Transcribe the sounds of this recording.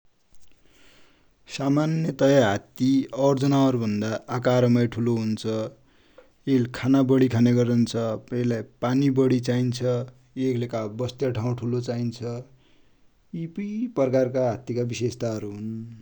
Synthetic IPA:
samanjʌt̪ʌjaɦat̪iʌrd͡zʌnaɦʌɾubʱʌnd̪aːkaɾʌmʌjʈʰuloɦunt͡sʰʌ | elkʰanabʌɽikʰaneɡʌɾʌnt͡sʰʌpʌilajpanibʌɽit͡saint͡sʰʌ | eklekabʌst̪jaʈʰaw̃ʈʰulot͡saint͡sʰʌ | ipipʌrkarkaɦat̪ikabisest̪aɦʌɾuɦun

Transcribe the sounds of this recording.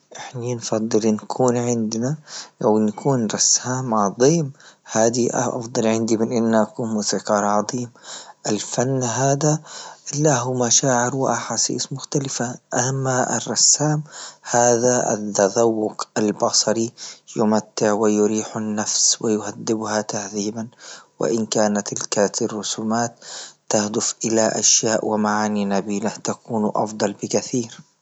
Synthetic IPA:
ʔɪħninfɑd̪ˤːɨlɪnkʰuːnʕɪnd̪naawnːakʰuːnɾˤɑsaːmʕɑðˤiːmhaːd̪iʔʔɑ̰fd̪ˤɑlʕɪnd̪imɪnʔɪnːaʔakuːnmusiqɑːɾˤʕɑðˤiːmʔɪlfanːɦaːd̪alaɦumaʃaːʕɪɾwɪʔaħaːsḭːsmʊxt̪alɪfaʔamːaɪ̰rˤːɑsːaːmhaːðaʔa̰t̪ːad̪awːʊqalbɑsˤɑɾijʊmat̪ːɪʕwɪjʊɾiːħanːafswɪjʊhad̪ːɪbhat̪ahðiːbanwɪ̰ʔɪnkaːnat̪ɪlkarːʊsuːmaːt̪ːahd̪ʊfʔɪlaʔa̰ʃjaːʔwɪmaʕaːninabiːlaht̪akuːnʔɑ̰fd̪ˤɑlbɪkaθiːɾ

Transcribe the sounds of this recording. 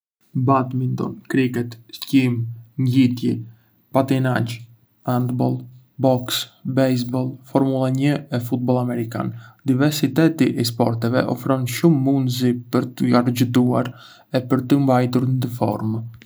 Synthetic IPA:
bat̪mind̪ɔ̰nkɾikɛt̪scimɲit̪jɛ | pat̪inad͡ʒ | and̪bɔlˠ | bɔksbɛjs̬bɔlˠfɔɾmulˠaɲəɛfut̪̚bɔlˠamɛɾika̰nd̪ivɛɾsit̪ɛt̪iʔɛs̬pɔɾt̪ɛvɛ̰ʔɔfɾɔnʃumːund̪zipəɾt̪əaɾd͡ʒəd̪uaɾ | ɛpəɾt̪əmbajt̪̬uɾnd̪əfɔ̰ɾm

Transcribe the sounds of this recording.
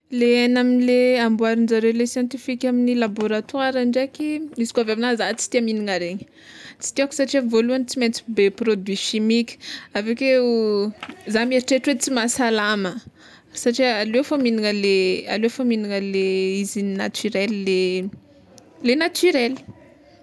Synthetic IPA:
leanaminileambuaɾind͡zaɾewlesjɑ̃nt̪ifikʲaminilaboɾat̪uaɾaɳɖ͡ʐekiizi̥kavabinazat͡si̥t̪iaminiŋaɾeɲə̥ | t͡si̥t̪iaku̥saʈ͡ʂiavoluanit͡simet͡si̥beprod̪wiʃimikʲə̥aveke | zameɾiʈ͡ʂeʈ͡ʂwet͡simasalamə | saʈ͡ʂialeafaminiŋəlea̰leafaminiŋəleizininat̪yɾɛlile | lenat̪yɾɛli̥

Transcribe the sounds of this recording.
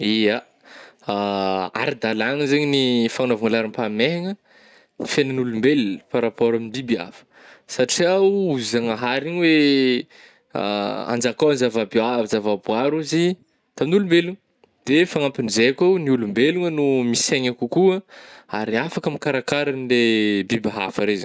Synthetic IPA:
ia | aa̰ɾid̪alaŋəzeɲinifanovaŋalaɾimpameɦaŋə | ifenənulumbelpaɾapoɾamind̪ibia̰fə̥ | saʈ͡ʂiawuzaŋaɦaɾiɲwe | a̰a̰nd͡ʒakawanizavabiazavabuaɾuzi | t̪aminulumbeluŋə | d̪̥efaŋampinizekawniulumbeluŋənumiseɲakukuəaɾiafakamikaɾakaɾanilebibaɦa̰faɾeza

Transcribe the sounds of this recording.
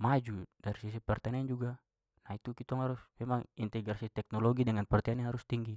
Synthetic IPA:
mad͡ʒudaɾisisipɛrt̪anɛand͡ʒuɡa | nait̪ukit̪ɔŋɦaɾusmɛmaŋint̪ɛɡɾasit̪ɛk̚nɔlɔɡidɛŋanpɛrt̪ɛanahɦaɾust̪iŋɡi

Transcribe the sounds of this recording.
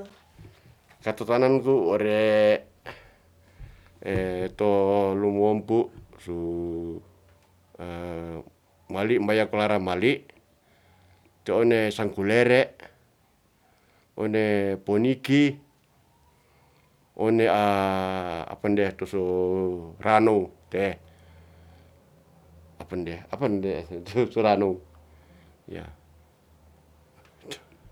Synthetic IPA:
kat̪ot̪anankuoɾe | t̪olumɔmpuʔsu | maliʔmbajakulaɾamaliʔ | t̪eonesaŋkuleɾɛʔ | ɔ̰nepɔniki | ʔɔnea | a̰pandiat̪usɔ | ranɔut̪ɛ | apandiaapandɛt̪suɾanɔu | ja̰ | t̪

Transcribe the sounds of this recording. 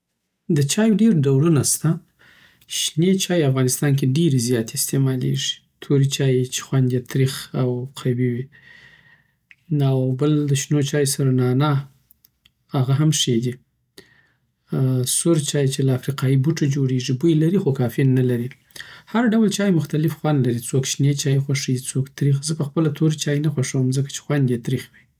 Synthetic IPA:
d̪ət͡ʃɑjoɖeɾɖawɽunast̪a | ʃnet͡ʃɑjafɣɑnɪst̪ɑnk̬eɖeɾezjɑt̪eɪst̪emɑlḛʐi̥ | t̪ʰoɾit͡ʃɑjet͡ʃe̥xwand̪jat̪ɾixawqʰabiwi | awbəld̪əʃnot͡ʃɑjsaɾanɑnɑ | haɣaɦamʂed̪i | sʊɾt͡ʃɑjt͡ʃelaafɾiqɑjibuʈad͡ʒoɽeʐibujlaɾixokɑfenːalaɾi | haɾɖawlt͡ʃɑjmʊxt̪alɪfxwand̪laɾit͡sokʃnet͡ʃɑjexwaʂəjt͡sokt̪ɾixzəpəxpəlat̪ʰoɾit͡ʃɑjenaxwaʂəwəmzəkḁt͡ʃe̥xwand̪jet̪ɾixwi

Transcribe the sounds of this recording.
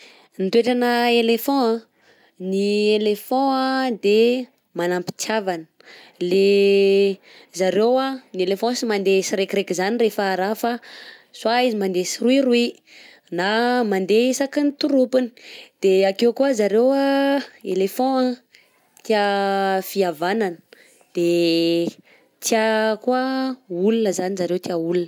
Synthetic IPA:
nit̪weʈ͡ʂanəelefɔ̃ã | nielefɔ̃ad̪e | manampi̥t͡savanə̥ | le | zaɾewanielefɔ̃simand̪esiɾekiɾekizanirefaːɾafaswaizimand̪esiruiɾui | namand̪eisakint̪uɾupini̥d̪̥eakewkuəzaɾewaelefɔ̃a | t̪iafiavananə̥ | d̪̥e | t͡s̪iakuəulunəzanizaɾewt̪iaulunə

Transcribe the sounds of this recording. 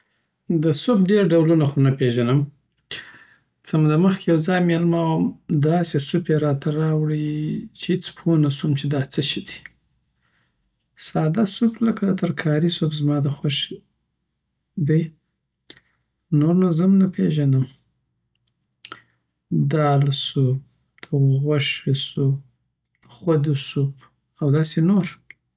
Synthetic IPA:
d̪əsopɖeɾɖawlunaxonapeʒanəm | t͡səmad̪əməxkʲejawzɑjmelmawəmd̪ɑsesupeɾɑt̪ʰaɾɑwɽit͡ʃehet͡spʰonasumt͡ʃed̪ɑt͡səʃid̪i̥ | sɑd̪asupləkat̪əɾkʰɑɾisopzmɑd̪əxaʃ | d̪aj | noɾnazəmnapʰeʒanəm | d̪ɑlsub̚ | d̪̥əɣʷaʃwesub̚ | xwad̪usub | awd̪ɑsenoɾ

